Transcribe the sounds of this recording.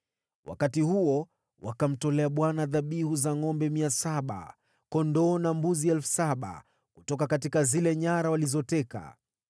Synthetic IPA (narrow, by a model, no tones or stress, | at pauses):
wa̰katihuɔ | wʔa̰kam̩tɔlɛaɓwanaðaɓihuzaŋɔmbɛmiasaɓa̰ | kɔndɔːnambuziɛlfu̥saɓa̰ | kutɔkakatikazilɛɲaɾawalizɔtɛka̰